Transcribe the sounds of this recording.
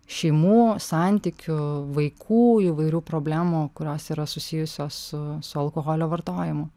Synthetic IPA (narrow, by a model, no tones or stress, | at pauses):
ʃʲɛɪmuːsɑˑnʲt̪ʲiːkʲʊʋɐɪkʰuːiʋɐɪɾʲuːpɾoːbʲlʲæːmukʊɾʲoːsiːɾɐsʊsʲiːjʊsʲoːssʊsʊɐlˠkoːɣoːlʲoːʋɐɾt̪oːjɪmʊ